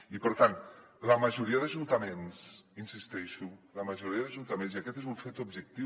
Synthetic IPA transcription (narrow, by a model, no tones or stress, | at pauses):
ipəɾt̪anləməʒuɾiəðəʒunt̪əmensinsist̪ɛʃuləməʒuɾiɐðəʒunt̪əmenziəkɛt̪ezuɱfet̪ub̚ʒək̚t̪i